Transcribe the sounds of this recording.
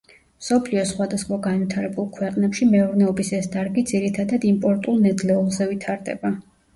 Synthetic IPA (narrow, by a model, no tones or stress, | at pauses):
msɔpʰliɔsχwad̪asχwaɡanvit̪ʰaɾɛbulˠkʰwɛqʼnɛpʃimɛɔɾnɛɔbisɛsd̪aɾɡid̪ziɾit̪ʰad̪ad̪impʼɔɾt̪ʼulˠnɛd̪lɛulˠzɛvit̪ʰaɾd̪ɛ̰ba